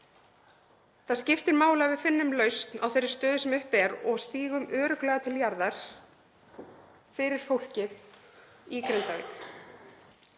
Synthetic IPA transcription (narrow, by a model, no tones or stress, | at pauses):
θaðscɪft̪ɪɾmaːwlavɪðfɪnːʏmlœɥst̪nawθejɾːɪ̥st̪œːðʏsɛmʏhpɛɾɔɣst̪iːɣʏmœːɾʏklɛːɣat̪ʰɪljaɾðaɾ̥ | fɪɾɪɾ̥fowl̥cɪθ | ikɾent̪avḭːk